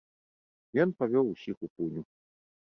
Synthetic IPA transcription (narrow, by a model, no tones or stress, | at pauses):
jɔnpavʲɔwusʲixupunʲu